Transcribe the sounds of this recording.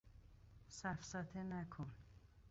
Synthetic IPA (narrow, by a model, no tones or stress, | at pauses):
sæfsat̪ʰenækʰon